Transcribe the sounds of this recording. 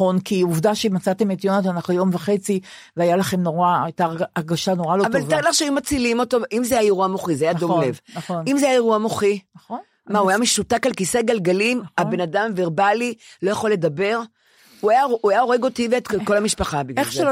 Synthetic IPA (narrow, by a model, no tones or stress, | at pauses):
o̞nkiuvdaʃeimat͡sat̪emet̪jonot̪anaχnujo̞mvaχe̞t͡si | veajalaχe̞mnoʁaajtaʁːʁɡaʃano̞ʁaloavaltaʁidlaχʃeajumat͡silimo̞t̪o̞ʔimzeajajeʁuamoχizeajadomlevonimzeajajeʁuamoχiχo | mauajameʃut̪akalkiseɡalɡalimabe̞nadamveʁbalilo̞jaχo̞lːe̞d̪abe̞ʁ | uajauajaoʁeɡo̞t̪iveet̪ko̞lamiʃpaχabiɡeʃ